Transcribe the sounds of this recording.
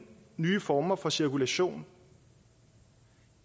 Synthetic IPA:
nyːfɒːmɐfɒ̽siɐkʰulæɕo̝̰ːn

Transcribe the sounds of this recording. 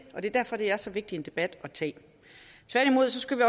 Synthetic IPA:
ʔɒ̽d̥e̝d̥æɐfɒ̽d̥e̝æɐsɒ̽ʋe̝ɡ̥d̥ie̝nd̥e̝b̥æd̥ɒ̽t͡sʰɛ̰ː | t͡sʰʋæɐɾ̥imo̝ð̞̰ˠsɒ̽sɡ̥uʋiɒ

